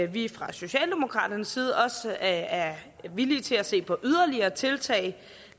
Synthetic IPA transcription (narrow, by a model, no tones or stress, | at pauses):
ʋifʁɑ̈so̝ɕɛ̰ːld̥e̝mo̝kʰʁɑ̰̈ːd̥ɐnəsːiːð̞̩ˠɒ̽sæɐ | ʋiliːt͡sʰe̝læse̝̰ːpʰɒ̽ʔyð̞ˠɐliɐːt͡sʰe̝lt͡sʰɛ̰ːɪ